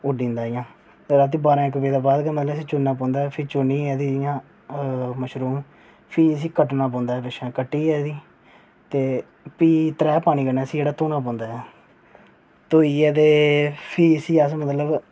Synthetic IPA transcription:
ʊɖĩːnd̪aːɪjãː | ɾaːt̪iːbaːɾãːɪkːəpeːd̪aːbaːd̪kəmət̪ləbəsĩːt͡ʃʊnːãːp̬ɔ̃ːnd̪aːɛpʰɪːt͡ʃoniːɛːd̪iːjãː | məʃɾuːm | pʰiːəs̬ĩːkəʈnãːpɔ̃ːnd̪aːɦɛːpɪʃãːkəʈːiːɛːd̪iː | t̪eː | piːt̪əɾɛːpaːñiːkənaːəsiːd͡ʒeːɽaːt̪oːnãːpɔ̃ːnd̪aːɦɛ | t̪oːiːɛːt̪eːpʰiːəsiːəsmət̪ləb

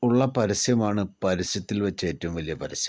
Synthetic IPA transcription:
uɭːɐpɐɾɐsjɐmaːɳɨpɐɾɐsjɐt̪ːilʋɐt͡ɕːe̞ːtːɐmʋɐlijɐpɐɾɐsjɐm

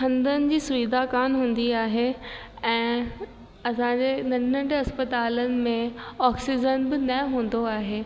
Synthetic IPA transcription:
kʰɐ̃nd̪ənɪ̆d͡ʑiːsʊʋid̪ʱakaːnɦũːn̆d̪iaːɦe | ɛ̃ː | ɐsãd͡ʑeːnɐnə̃ɖɐspət̪aːlənɪ̆mẽɔːksɪd͡ʑənbɪnɐɦũːn̆d̪oaːɦeː

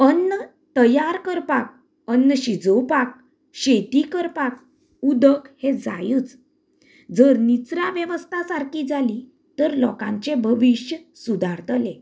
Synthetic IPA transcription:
ənːə | t̪əjaɾkəɾpak̚ | ənːəɕid͡zəwpak̚ | ɕet̪ikəɾpak̚ | ud̪əkhed͡za̰jut͡s | d͡zəɾnit͡sɾaʋjəʋəst̪ʰasaɾkiːd͡zali | t̪əɾlɔkãɲt͡ɕebʱəʋiɕjə | sud̪ʱaɾt̪əlẽ

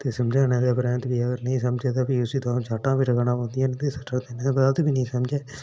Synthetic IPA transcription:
t̪eːsəmd͡ʒaːnɛ̃ːd̪eːbəɾɛ̃ːnt̪biːəɡəɾnəĩːsəmd͡ʒeːd̪aːbiːʊsiːd̪ɔ̃ːd͡ʒaːʈãːbiɾəɡaːnãːpõːnd̪ɪjãːnet̪eːsəʈʰəɾd̪eːnẽbd̪aːt̪biːnəĩːsəmd͡ʒeː

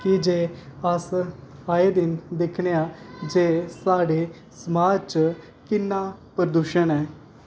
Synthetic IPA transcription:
kɪd͡ʒeːəs | aːeːd̪ɪnd̪ɪkʰneːaːd͡ʒeːsaːɖeː | səmaːd͡ʒt͡ʃ | kɪnːaːpɾəd̪uːʃənɛː

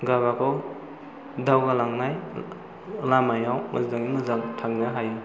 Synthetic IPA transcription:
ɡaβakʰɔw | dawɡalaŋnaj | lamajawmɐ̰sdaŋimɯzaŋtʰaŋnaɦaj

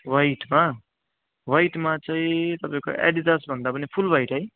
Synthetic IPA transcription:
wajʈma | wajʈmat͡saĩt̪ʌpaĩko̰ʔḛɽitʌsbʱʌnd̪apʌnipʰulbajʈɦʌj

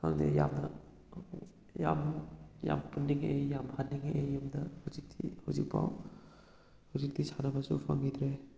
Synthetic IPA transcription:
kʰaŋdḛja̰mnɐ | ja̰mja̰mpundiŋejamhanːiŋeʔejumdɐhawzik̚dihawzik̚pʰa̰w | hawzik̚disanɐbɐsṵpʰa̰ŋid̪ɾe

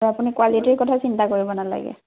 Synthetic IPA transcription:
apunikwalitiɹkɔtʰasintakoɹibɔnala̰ɡɛ̰

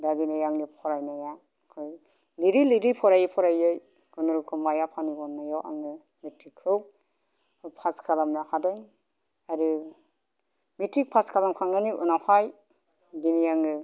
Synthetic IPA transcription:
daɡinajaŋdɯpʰɔɾajnaja | kʰɔj | liɾiliɾipʰɔɾajipʰɔɾajɯj | ɡɔnuɾukʰɔmajapʰanibɔnːajawʔa̰ŋɯ | mitɾikhɯw | pʰaskalamnakʰadaŋ | aɾɯ | mitɾik̚pʰaskalamkʰaŋɡaniʔunawhaj | ɡinijaŋɯ

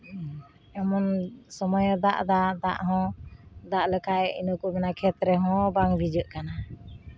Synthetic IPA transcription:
ɛmɔnsɔmɔjɔd̪aʔd̪ad̪a̰ʔɦɔ̃d̪aʔləkaʔɛḭnukuʔmɛnakʰɛt̪ɾɛɦɔ̃baŋbʱid͡ʒəʔkana

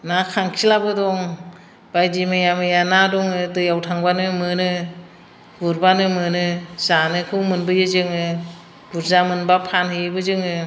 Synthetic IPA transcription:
nakʰaŋkʰilabɯdɔŋ | b̥ajdimɯjamɯjanadɔŋɯdɯjawtʰaŋbanɯmɯnɯ | buɾbanɯmɯnɯzanɯkʰɯwmɯnbɯjɯzɯŋɯ | buɾzamɯnbapʰanhɯjɯbɯzɯŋɯ

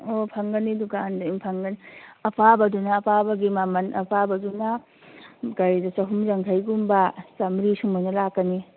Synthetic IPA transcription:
opʰaŋɡɐnidukandaimpʰaŋɡɐniɐpʰabɐdunaːpʰabɐɡimamɐnʔɐ̰pʰabɐduna | kajdasɐɦumzaŋkʰajɡumbasamɾisuŋmojnɐlakːɐni

